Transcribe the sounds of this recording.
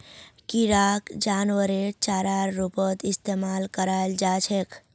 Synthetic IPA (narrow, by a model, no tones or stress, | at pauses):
kiɾaːkd͡ʒaːnwəɾet͡ʃaːɾaɾːupət̪ɪst̪eːmaːlkəɾaːld͡ʒaːt͡ʃʰek